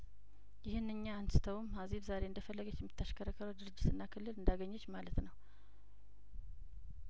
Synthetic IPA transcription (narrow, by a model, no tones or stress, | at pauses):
jɪhɨnːɨɲːaansɨ̥t̪ʰəwmhaziβzaɾe̞ɨnd̪əfəlːəɡət͡ʃːjɛmːit̪ʰːaʃkʰəɾəkʰəɾəd̪ɨɾɨd͡ʒːɪt̪ʰɨnːakʰɨlːɨlɨnd̪aɡəɲːɛt͡ʃːmalət̪nəw